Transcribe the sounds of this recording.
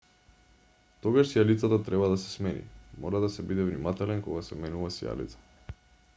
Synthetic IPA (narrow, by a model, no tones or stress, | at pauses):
t̪ɔɡaʃsijalit̪sat̪at̪ɾɛbad̪asɛ̥smɛnḭmɔɾad̪asɛbid̪ɛvnimat̪ɛlɛnkɔɡasɛmɛnuvasija̰lḭt̪sḁ